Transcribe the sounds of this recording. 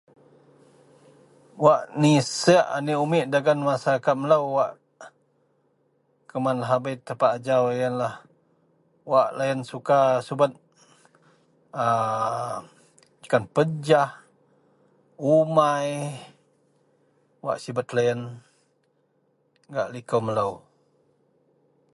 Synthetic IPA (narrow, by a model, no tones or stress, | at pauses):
waʔnisəaʔaniumiʔdaɡanmasaɾakat̪̚mələwwaʔ | kəmanlaɦabəjt̪əpaʔːd͡ʒawjənlah | waʔlajənsukasubat̪̚ | ə | ə̥kanpəd͡ʒah | umaj | wa̰ʔsibat̪̚lajən | ɡaʔlikowmələw